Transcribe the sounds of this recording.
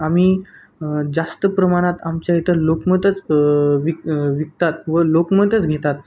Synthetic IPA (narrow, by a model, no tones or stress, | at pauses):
amiː | d͡zast̪əpɾəmaɽ̃ãt̪amt͡ɕjait̪əlokmət̪ət͡sʋiʋik̚t̪at̪̚ʋəlokmət̪ət͡sɡʱet̪at̪̚